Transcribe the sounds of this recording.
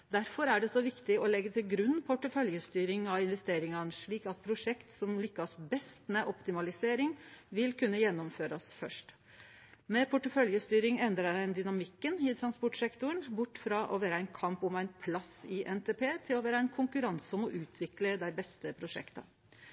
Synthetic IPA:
d̪æɾfɔɾæɖɛsɔʋɪkt̪ɪɔlɛɡːət̪ʰɪlɡɾʉnːpʰʊʈːəfœljəst̪yːɾɪŋɑʋɪnʋɛst̪eːɾɪŋɑnʂɭiːkɑt̪̚pʰɾʊʂɛkt̪sɔmlʏkːɑsbɛst̪mɛʔɔpt̪ɪmɑlɪseːɾɪŋʋɪlkʰʉnːəjɛnːɔmføːɾɑsfœʂʈ | mɛpʰʊʈːəfœljəst̪yːɾɪŋɛnd̪ɾɑɾænd̪ʏnɑmɪkːənɪt̪ʰɾɑnspɔʈʂɛkt̪ʊəɳbʊʈːfɾɑʔɔʋæːɾəæɪnkʰɑmpɔmæɪnpʰlɑsɪʔɛnt̪ʰeːpʰeːt̪ʰɪlɔʋæːɾəæɪnkʰʊŋkʉɾɑnsɔmɔʔʉːt̪ʰʋɪkləd̪æɪbɛst̪əpʰɾʊʂɛ̰kt̪ɑ̰

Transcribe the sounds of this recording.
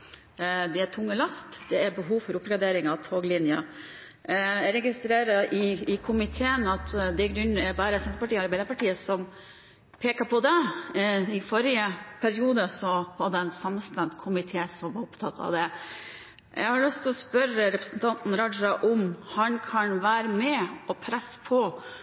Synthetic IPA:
d̪ɛætʰʊŋːəlɑst̪d̪̥ɛæɾbəɦuːʋfɔɾʊpɾɡɑd̪eːɾɪŋɑt̪ʰoːɡlɪnjɑ | ɾɛɡɪst̪ɾeːɾɑʔɪɪkʰʊmɪt̪ʰeːənɑt̪d̪ɛɡɾʉɲːæbɑːɾəsɛmt̪əpɑʈiːɑɾbæɪləpɑʈiːəsɔm | pʰeːkɑpʰɔd̪ɛ | ɪfɔɾɪəpʰæɾɪuːd̪əsɔʋɑd̪ɛɛnsɑmst̪ɛnt̪kʰʊmɪt̪ʰeːsɔmʋɑɾʊpt̪ʰɑt̪ʰːɑ̰ʋd̪ɛ | jɛ̰ɡhɑɾɭʉst̪ʰɔspœɾəɾɛpɾəsənt̪ʰɑnt̪n̩ɾɑd͡ʒɑʔɔmhɑnkʰɑnʋæːɾəmɛɔpʰɾɛsːpʰɔ

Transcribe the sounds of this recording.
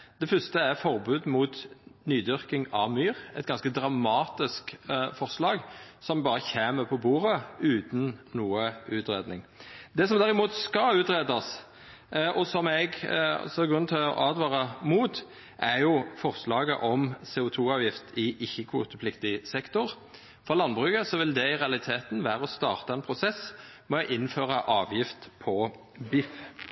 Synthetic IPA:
d̪̥ɛfʏst̪əæʁfɔɾbʉːd̪muːt̪nyːd̪ʏʁkɪŋɑʋmyːʁɛt̪̚ɡɑnskəd̪ɾɑmɑːt̪ɪskfɔʁslɑːɡsɔmbɑːɾəçeːməpʰɔbuːɾəʉːt̪n̩nuːəʉːt̪ʁeːd̪nɪ̰ŋd̪ɛsɔmd̪æɾɪmuːt̪skɑʉːt̪ɾeːd̪ɑs | ʔɔsɔmɛɡ̰sɔɡɾʉnt̪ʰɛʔɑ̰ːd̪ʋɑːʁəmuːt̪ | ʔæʁjʊfɔʁslɑːɡə̰ʔɔmseːʊt̪ʰuːɑːʋjɪft̪ɪʔɪçːəkʰʋṵːt̪əpʰlɪkt̪ɪsɛkt̪ʊʁ | fɔʁlɑnbʁʉːɡəsɔʋɪld̪ɛɪʁɛɑlɪt̪ʰeːt̪n̩ʋæːʁəɔst̪ɑːʁt̪ɑɛnpʰʁʊsɛs | mɛɔʔɪnːføːʁəʔɑːʋjɪft̪pʰɔ | bɪf

